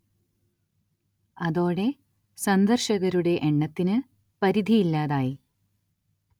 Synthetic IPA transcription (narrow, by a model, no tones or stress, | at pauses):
ɐðo̞ːɽe̞ | sɐnd̪ɐrɕɐɣɐɾuɽe̞ʔɳːɐt̪ːinɨ | pɐɾid̪ʱijilːaːðaːji